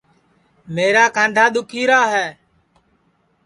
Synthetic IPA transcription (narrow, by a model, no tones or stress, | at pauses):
meːɾaːkãːɳɖʱaːɗ̪ʊkʰiːɾaːɦɛː